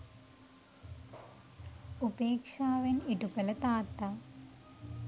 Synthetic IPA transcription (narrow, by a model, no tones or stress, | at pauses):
ubeːkʂaːʋeniʈukːɐlɐt̪aːt̪ːɐ